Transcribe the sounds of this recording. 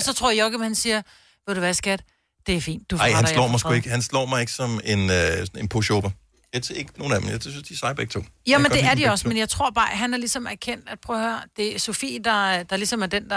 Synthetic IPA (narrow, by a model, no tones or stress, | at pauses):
ɒ̽sɒ̽t͡sʰʁo̰ɐɐjɒɡ̥əmhænsiːɐ | ʋeɾuʋæsɡ̥æd̥ | d̥e̝æfḭːnd̥ːufɑɪ̰hænslɔ̰ːmɑsɡ̥ueɡ̥əhænslɔ̰ːmɑ̈ɪe̝ɡ̥əsɒ̽me̝nøsɒne̝npʰoɕoːb̥ɐ | jet͡sʰeɐe̝ɡ̥əno̝ːn̩æd̥m̩jasynsd̥isɑ̈ɪb̥ɐɡ̥t͡sʰo̰ːjomend̥e̝æɐd̥iɒ̽səmenjɑ̈ɪt͡sʰʁo̝ɐ̰b̥ɑ̈ːɦænæɐlisɒ̽mæɐkʰen̰d̥æd̥pʰʁœːhøɐd̥e̝sofḭːd̥ɑ̈d̥ɑ̈lisɒ̽mæɐd̥end̥ɑ